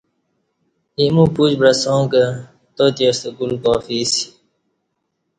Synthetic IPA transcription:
imũpud͡ʑbɾɐsõːkə | t̪ot̪iest̪ekulkɔːfisi̥

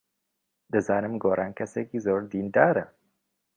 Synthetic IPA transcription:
d̪ɐzaːnɐmɡoːɾʔaŋkɐsekizoːɾd̪iːndaːɾɐ

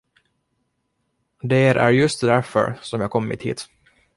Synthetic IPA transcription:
d̪eɾʔæ̰ɾjɵst̪d̪æɾfœ̰ɾsɔmjɑːkʰɔmːɪ̰t̪hḭːt̪

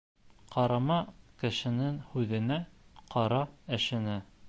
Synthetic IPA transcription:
qɑɾɑmɑkɘ̆ʃɘ̆nɘŋhʉðɘ̆næqɑɾɑɘ̆ʃɘ̆nɘ

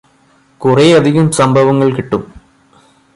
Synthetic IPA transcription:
kureɐd̪ʱiɣɐmsɐmbʱɐʋɐŋːɐɭkiʈːum

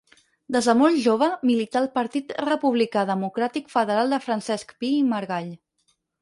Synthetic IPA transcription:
d̪əzðəmolʒoβ̞əmilit̪alˠpəɾt̪it̪rəpuβlikaðəmukɾat̪ikfəðəɾalˠd̪əfɾənsɛskpiːməɾɣaʎ

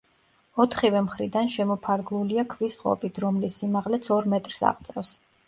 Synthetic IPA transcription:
ɔt̪ʰχivɛmχɾid̪anʃɛmɔpʰaɾɡlˠuliakʰvisqʼɔ̰pʼit̪ʰɾɔmlisːimaʁlɛt̪sʰɔɾmɛt̪ʼɾsa̰ʁt̪sʼɛfs

